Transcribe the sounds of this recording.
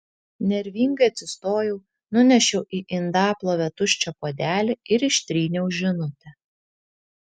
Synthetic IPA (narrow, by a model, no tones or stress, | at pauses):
nʲɛɾʲʋʲiːŋɡɐɪɐt̪ʲsʲɪst̪oːjɛʊ | nʊnʲɛʃʲɛʊʔiːʔɪnd̪ɑːplˠoːʋʲɛt̪ʊʃʲt͡ʃʲɛpoːd̪ʲæːlʲeɪɾɪʃʲt̪ʲɾʲiːnʲɛʊʒʲɪnʊt̪ʲɛ